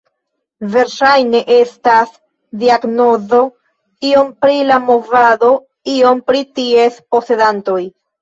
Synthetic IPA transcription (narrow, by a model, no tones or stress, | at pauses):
ve̞ɾʃajne̞ʔe̞stas | diaɡno̞zo̞ | io̞mpɾilamo̞vado̞ | io̞mpɾitie̞spo̞se̞danto̞j